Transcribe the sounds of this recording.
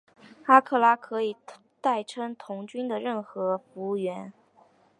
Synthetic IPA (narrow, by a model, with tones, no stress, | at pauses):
xa˥kʰɤ˥˩la˥kʰɤ˧˥i˨˩ | t̪a˥˩ɪʈ͡ʂʰɤ˥ŋt̪ʰʊ˧˥ŋt͡ɕy˥nd̪ə˨ɻə˥˩nxɤ˧˥fu˧˥u˥˧˩ɥɛ˧˥n